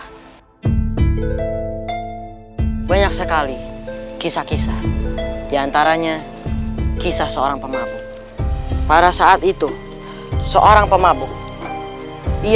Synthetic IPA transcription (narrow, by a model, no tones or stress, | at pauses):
baɲak̚səkalikisakisadiant̪aɾaɲa | kisahsəoɾaŋpəmabʊk̚ | paɾasaat̪it̪u | səʔoɾaŋpəmabʊk̚ | i